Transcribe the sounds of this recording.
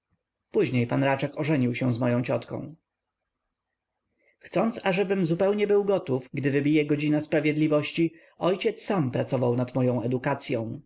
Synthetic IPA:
puʑɲejpanɾat͡ʂɛkɔʐɛɲiwɕɛ̃zmɔjɔ̃w̃t͡ɕɔt̪kɔ̰̃w̃ | xt̪sɔnt̪saʐɛbɘmzupɛwɲɛbɘwɡɔt̪ufɡd̪ɘvɘbʲijɛɡɔd͡ʑinaspɾavʲjɛd̪lʲivɔɕt͡ɕi | ɔjt͡ɕɛt̪sːampɾat̪sɔvawnat̪mɔjɔ̃w̃ɛd̪ukat̪sʲjɔ̃w̃

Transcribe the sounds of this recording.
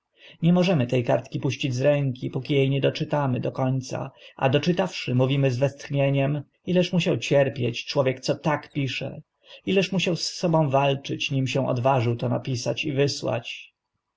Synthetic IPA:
ɲɛmɔʐɛmɘt̪ɛjka̰ɾt̪kʲipuɕt͡ɕid͡ʑzɾɛŋkʲipukʲijejɲɛd̪ɔt͡ʂɘt̪amɘd̪ɔkɔɲt̪sa̰ʔa̰d̪ɔt͡ʂɘt̪afʂɘmuvʲimɘzvɛst̪xɲeɲɛm | ilɛʂmuɕawt͡ɕɛɾpʲjet͡ɕt͡ʂwɔvʲjɛk̚t̪sɔt̪akpʲiʂɛ̰ | ilɛʂmuɕawsːɔbɔ̃w̃valt͡ʂɘt͡ɕɲimɕɛ̃w̃ʔɔ̰d̪vaʐɘwt̪ɔnapʲisat͡ɕivɘswa̰t͡ɕ

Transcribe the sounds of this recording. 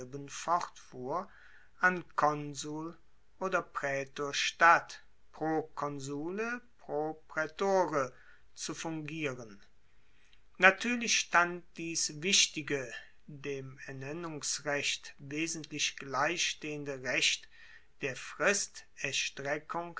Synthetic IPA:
bənfɔʁtfuːɐ | ʔankʰɔnzuːl | ʔoːdɐpʁ̥ɛːtoːɐʃtat | pʁ̥okʰɔnzuːləpʁ̥opʁ̥ɛtoːʁə | t͡sufʊŋɡiːʁən | natʰyːɐlɪʃʃtant̚d̥iːsvɪʃtɪɡə | deːmɛɐnɛnʊŋsʁɛʃtveːzən̩tlɪçɡ̥laɪçʃteːəndəʁɛʃt | d̥eːɐfʁ̥ɪstɛɐʃtʁ̥ɛkʰʊŋ

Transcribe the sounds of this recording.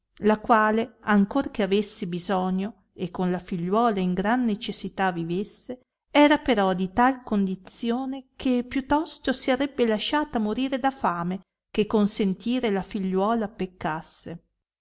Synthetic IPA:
lakwaːleaŋkorkeavesːibizɔɲːo | ekːonlafiʎːwɔːlaiŋɡɾanːet͡ʃesːit̪avivesːe | ɛːɾapeɾɔd̪it̪alkond̪it̪sjoːnekʰepjut̪ːɔst̪osiaɾɛbːelaʃaːt̪amoɾiːɾed̪afaːme | kekːonsent̪ʰiːɾelafiʎːwɔːlapekːasːe

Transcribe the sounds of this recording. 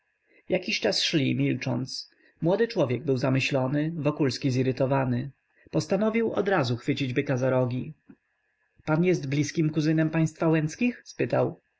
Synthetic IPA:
jʔakʲiɕt͡ʂasʂlʲimʲilt͡ʂɔ̰nt̪s | mwɔd̪ɘt͡ʂwɔvʲjɛɡ̚bɘwzamɘɕlɔnɘvɔkulskʲiziɾɘt̪ɔvanɘ | pɔst̪anɔvʲiwɔ̰d̪ɾazuxfɘt͡ɕid͡ʑbɘkazaɾɔɡʲi | panjɛst̪blʲiskʲimkuzɘnɛmpaj̃st̪fawɛnt̪skʲixspɘt̪aw

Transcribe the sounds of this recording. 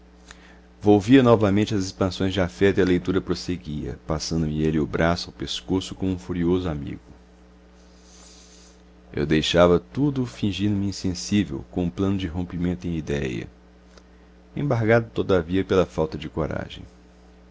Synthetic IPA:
vowviɐnɔvɐmẽnt͡ʃɪɐzispɐ̃sõj̃zd͡ʒɪafɛt̪ʊiɐlejt̪uɾɐpɾoseɡiɐ̰pasɐ̃nd̪ʊmɪelɪʊbɾasʊawpeskosʊkõmũfuɾiozʊamḭɡʊ | ḛwd̪ejʃavɐt̪ud̪ʊfĩʒĩnd̪ʊmɪĩsẽsivḛwkõũplɐ̃nʊd͡ʒɪɦõmpimẽnt̪ʊẽj̃id̪ɛjɐ̰ | ḛ̃baɾɡad̪ʊt̪od̪aviɐpelɐfawt̪ɐd͡ʒɪkoɾa̰ʒḛ̃j̃

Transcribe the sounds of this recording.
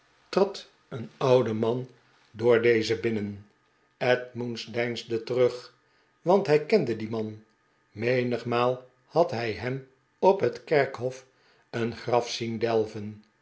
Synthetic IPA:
trɑt | ənɑwdəmɑn | dʊːɹdejzəbɪnən | ɛtmunzdɛjnzdətərøχ | ʋɑntɦɛjkɛndədimɑn | mejnəχmaːlˠ | hɑtɦɛjɦɛm | ɔpɦətkɛrkɦɔf | ənχrɑfsindɛlˠvən

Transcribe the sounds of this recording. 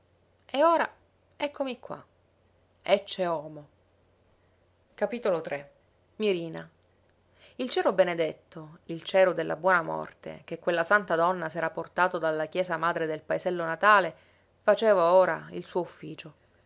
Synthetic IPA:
eoːɾa | ɛkʰːomikːwa̰ | ɛt͡ʃːeɔːmo | kapiːt̪olot̪ɾe | miɾiːna | ilt͡ʃɛːɾobened̪et̪ːoilt͡ʃɛːɾod̪elːa̰bwɔːnamɔ̰rt̪ḛk̟ekːwelːasant̪ad̪ɔnːasɛːɾaport̪aːt̪od̪alːakjɛːzamaːd̪ɾed̪elpaezɛlːonat̪aːle | fat͡ʃeːvaoːɾa̰ilsuːoufːiːt͡ʃo

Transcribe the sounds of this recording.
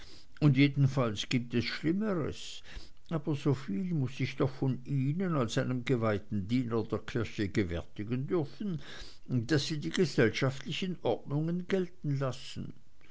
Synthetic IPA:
ʊndjeːdn̩falsɡ̥iːp̚tɛsʃlɪməʁə̰s | ʔaːbɐzoːfiːlmʊsɪçd̥ɔxfɔniːnənalsaɪnəmɡəvaɪtn̩diːnɐdeːɐkʰɪɐçəɡəvɛ̰ɐtɪɡəndʏʁfn̩ | d̥asiːdiːɡəzɛlʃaftlɪçənʔɔʁdnʊŋənɡɛltn̩lasn̩

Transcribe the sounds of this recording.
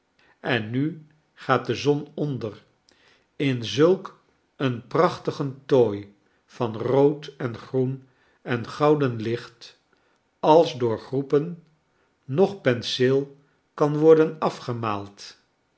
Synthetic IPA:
ɛnːy | χaːt̚dəzɔnɔndər | ɪnzɵlˠk | ənprɑχtəχəntoj | v̥ɑnrowtɛnχrun | ɛnχɑwdənlɪχt | ɑlˠzdʊːɹχrupənː | ɔχpɛnsɪlˠ | kɑnʋɔɹdənɑfχəmaːlˠt

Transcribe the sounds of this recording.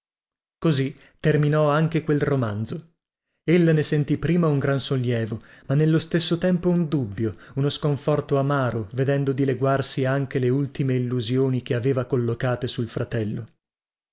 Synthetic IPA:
kozi | t̪ːerminɔaŋkekwelromand̪zo | elːnesent̪ipːɾiːmauŋɡɾansolːjɛːvomanːelːost̪esːot̪ɛmpound̪ubːjounoskoɱfɔrt̪oamaːɾoved̪ɛnd̪od̪ileɡwarsiaŋk̟eleult̪imeilːuzjoːnik̟eaveːvakolːokaːt̪esulfɾat̪ɛlːo

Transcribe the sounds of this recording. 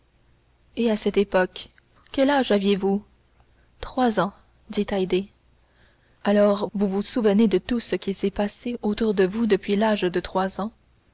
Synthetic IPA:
easɛt̪epɔk | kʲːɛlaʒavjevu | t̪χwazɑ̃ | d̪it̪ajd̪e | alɔːʁvuvusuvəned̪ət̪usəkʲisɛpaseot̪uʁd̪əvud̪əpɥilaʒd̪ət̪χwazɑ̃

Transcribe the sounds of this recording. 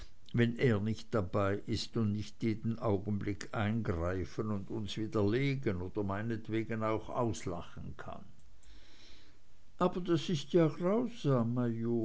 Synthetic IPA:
vɛnʔeːɐnɪçt̚d̥abaɪʔɪstʊntnɪçtjeːdn̩ʔaʊɡən̩blɪkʰʔaɪnɡʁaɪfənʊndʊnsv̥iːd̥ɐleːɡənoːd̥ɐmaɪnətv̥eːɡənaʊxa̰ʊsla̰χn̩kʰa̰n | ʔaːbɐdasɪstjaːɡʁaʊz̥aːmːajoː

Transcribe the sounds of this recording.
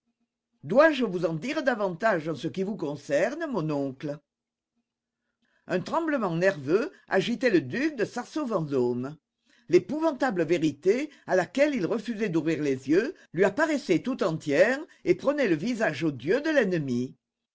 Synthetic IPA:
d̪waʒəvuzɑ̃d̪iʁəd̪avɑ̃t̪aʒɑ̃səkivukɔ̃sɛʁnəmɔ̃nɔ̃klə | œ̃t̪χɑ̃bləmɑ̃nɛʁvø | a̰ʒit̪ɛləd̪yk̚d̪əsaʁsovɑ̃zɔm | lepuvɑ̃t̪abləveʁit̪ealakɛlilʁəfyzɛd̪uvʁiʁlezjø | lɥiapaʁesɛt̪ut̪ɑ̃t̪jɛʁepχənɛləvizaʒod̪jød̪əlɛnəmi

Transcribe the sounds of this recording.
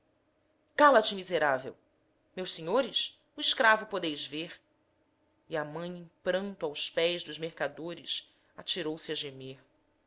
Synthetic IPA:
kalɐt͡ʃimizeɾavḛw | mewʃseɲoɾɪʃ | uiʃkɾavʊpod̪ejzveɾ | iamɐ̃j̃ẽpɾɐ̃nt̪ʊawspɛjzd̪ʊzmeɾkad̪oɾɪs | at͡ʃiɾowsiɐʒemeɾ

